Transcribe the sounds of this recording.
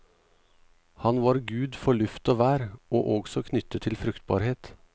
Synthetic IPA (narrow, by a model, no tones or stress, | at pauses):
hɑnʋɑːɾɡʉːd̪fɔɭʉft̪oːʋæːɾoːʔoːɡsɔkʰnʏt̪ət̪ʰɪlfɾʉkt̪̚bɑ̰ːɾheːt̪